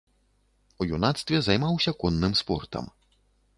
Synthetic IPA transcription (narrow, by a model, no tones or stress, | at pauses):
ujunat̪st̪vʲɛzajmawsʲɐkɔnːɨmspɔ̰rt̪ɐ̰m